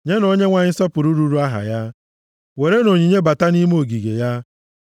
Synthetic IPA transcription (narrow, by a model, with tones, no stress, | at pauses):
ɲe˦no˦ɲe˦ŋʷa˨ɲɪ˦sɔ˦pʊ˨ɾu˦ɾu˦ɾu˦a˦ɦa̰˨ja˦ | we˨ɾe˦no˨ɲi˨ɲe˦ba˨ta˦ni˦m˦o˨ɡi˨ɡḛ˨ja˦